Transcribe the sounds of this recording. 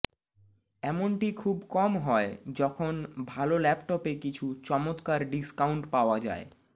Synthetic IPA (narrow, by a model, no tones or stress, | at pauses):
ɛmoɳʈikʰubkɔmɦɔed͡ʑɔkʰonbʱalolɛpʈɔpekit͡ɕʰut͡ɕɔmot̪kaɾɖiskawɳʈpaoad͡ʑa̰e